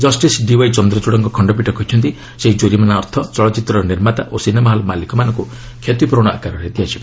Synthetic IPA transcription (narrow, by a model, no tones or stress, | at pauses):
d͡ʒɔsʈisɖiwajt͡ʃɔnd̪ɾɔt͡ʃuɽɔŋkɔkʰɔɳɖɔp̬iʈɔkɔit͡ʃʰɔnt̪i | seɦid͡ʒoɾimanaːɾt̪ʰɔt͡ʃɔɭɔt͡ʃit̪ɾɔɾniɾmat̪aʔosinemaɦɔlɔmalikɔmanɔ̃ŋku | kʰet̪ipɾoɽ̃ɔa̰kaɾɔɾet̪iɦat͡ʃʰi̥b